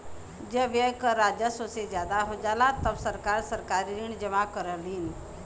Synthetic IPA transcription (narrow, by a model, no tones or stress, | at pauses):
d͡ʒəbjekəɾad͡ʒəsosed͡ʒjaːd̪aɦod͡ʒaːlat̪əbsəɾkaɾsəɾkaɾiɾiɳd͡ʒəmakəɾəliːn